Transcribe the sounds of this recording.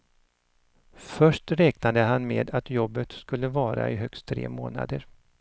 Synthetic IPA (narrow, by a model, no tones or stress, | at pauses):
fœʂʈɾɛːknad̪əɦanmḛːd̪at̪jɔbːət̪skɵlːəvɑːɾa̰ʔɪɦœkst̪ʰːɾḛːmoːna̰d̪əɾ